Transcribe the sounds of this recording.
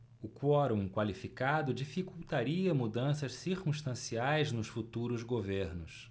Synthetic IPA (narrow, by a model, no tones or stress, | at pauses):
ʊkwɔɾũkwalifikad̪ʊd͡ʒifikuwt̪aɾiɐmud̪ɐ̃sɐʃsiɾkũʃt̪ɐ̃siajznʊsfut̪uɾʊzɡoveɾnʊs